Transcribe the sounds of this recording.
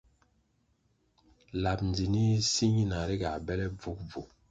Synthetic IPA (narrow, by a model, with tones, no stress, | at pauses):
la˨pnd͡zi˨ni˦si˦ɲi˦na˨ɾi˦ɡa˨bɛ˦lɛ˦b͡vu˦k̚vu˨